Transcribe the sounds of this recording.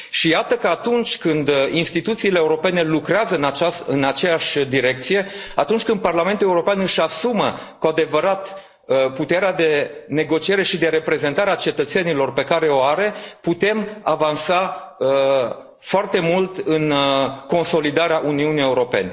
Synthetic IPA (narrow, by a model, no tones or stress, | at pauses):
ʃijat̪əkəat̪unt͡ʃʲkɨnd̪inst̪it̪ut̪siːleːuɾo̞pe̞ne̞lukɾeazəɨnaasɨnat͡ʃe̞jaʃʲd̪iɾe̞k̚t̪sije̞a̰t̪unt͡ʃkɨnd̪̚parlame̞nt̪uleuɾo̞peanɨʃasumə | kuad̪e̞vəɾat̪ | əput̪e̞ɾead̪e̞ne̞ɡo̞t͡ʃie̞ɾe̞ʃid̪e̞ɾe̞pɾe̞ze̞nt̪aɾeat͡ʃe̞t̪ət̪se̞nilo̞rpe̞kaɾe̞o̞aɾe̞put̪e̞mavansaə | foart̪e̞mult̪ɨnko̞nso̞lid̪aɾeaʔuniunije̞uɾo̞pe̞̰ne̞